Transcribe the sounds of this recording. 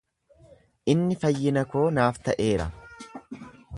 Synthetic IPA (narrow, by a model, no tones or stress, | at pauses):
ʔɪnːɪfɐjːɪnɐko̞ːnaːft̪ɐʔe̞ːɾɐ̰